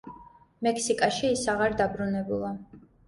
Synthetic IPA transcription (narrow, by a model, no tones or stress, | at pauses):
mɛkʰsikʼaʃiːsaʁaɾd̪abɾunɛbulˠa